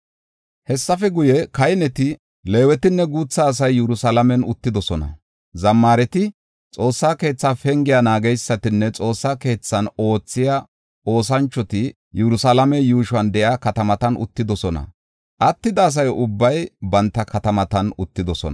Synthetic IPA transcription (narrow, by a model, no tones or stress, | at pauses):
hɛsːɐfɛɡʊjɛkɐjnɛt̪ɪ | le̞ːwɛt̪ɪnːɛɡuːt͡sːaːs̬ɐjːɛɾʊsalɐmɛnʊt̪ːɪd̪ɔsɔnɐ̰ | zɐmːaːɾɛt̪ɪ | t͡sʼo̞ːsːaːke̞ːt͡sːaːfɛŋɡɪjɐnaːɡɛjsːɐt̪ɪnːɛt͡sʼo̞ːsːaːke̞ːt͡sːɐno̞ːt͡sːɪja | o̞ːs̬ɐnt͡ʃːɔt̪ɪ | jɛɾʊsɐlɐmɛjuːʃʊɐnd̪ɛjaːkɐt̪ɐmɐt̪ɐnʔʊ̰t̪ːɪd̪ɔsɔnɐ̰ | ʔɐt̪ːɪd̪ɐːs̬ɐjʊbːɐjbɐnt̪ːɐkʰɐt̪ɐmɐt̪ɐnʊt̪ːɪd̪ɔsɔ̰nɐ